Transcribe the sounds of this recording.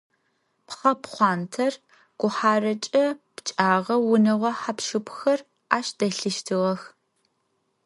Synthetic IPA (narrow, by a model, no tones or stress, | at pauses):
pχɐpχʷɑːntʰɐr | ɡ̥ʷʊħaːrɐt͡ʃʼɐpt͡ʃʼaːʁɐwʊnɐʁʷɐħapʃɨpʷʰxɐr | aːʃd̥ɐɬɨʃtʰɨʁɐx